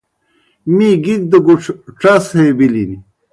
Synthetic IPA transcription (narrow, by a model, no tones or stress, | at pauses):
miɡiɡ̚d̪əɡuʈ͡ʂʰʈ͡ʂɐshebilini